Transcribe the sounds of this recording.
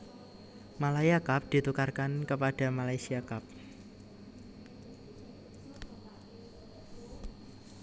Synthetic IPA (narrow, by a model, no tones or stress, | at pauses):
malajakap̚d̪̥i̤t̪ukarkankəpaɖ̥a̤malajsiakap̚